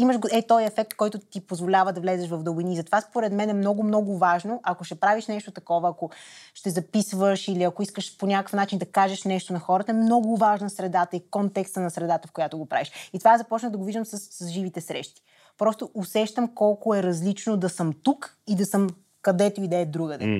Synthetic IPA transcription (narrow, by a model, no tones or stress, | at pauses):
iməʃɡɛt̪ɔjɛfɛk̚t̪kɔjt̪ʊt̪ipozvolʲavəd̪ɐvlɛzɛʃvɐvd̪ɐbiniːzɐt̪ovaspoɾɛd̪mɛnɛmnɔɡʊmnɔɡʊvaʒnoʔɐkoʃɛpɾaviʃnɛʃt̪ot̪ɐkɔvəɐkoʃt̪ɛzɐpisvəʃiliɐkoiskəʃponʲakəkə̥fnat͡ʃind̪ɐkaʒɛʃnɛʃt̪onɐxɔɾət̪əɛmnɔɡʊvaʒnɐsɾɛd̪at̪əikɔnt̪ɛkst̪ənɐsɾɛd̪at̪əfkojat̪ʊɡopɾa̰viʃit̪ovaɛzɐpɔt͡ʃnəd̪ɐɡoviʒd̪əmsəsːəsʒivit̪ɛsɾɛ̰ʃt̪i̥ | pɾɔst̪oʊʔʊsɛʃt̪əmkɔlˠkoɛɾɐzlit͡ʃnod̪ɐsəmt̪ukid̪ɐsəm | kɐd̪ɛt̪oid̪ɛːd̪ɾuɡəd̪ɛ̰